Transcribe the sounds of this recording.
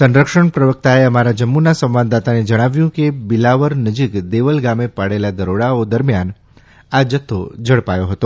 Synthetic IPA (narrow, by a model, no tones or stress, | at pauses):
sə̃nɾəkʃəɳpɾəʋək̚t̪aeəmaɾad͡ʒəmːunasə̃mʋand̪at̪aned͡ʒəɽ̃aʋjũkebɪlaʋəɾnəd͡ʒikd̪eʋəlɡamepaɽelad̪əɾoɽaod̪əɾmjan | ad͡ʒət̪ʰːod͡ʒəɽpajoɦət̪o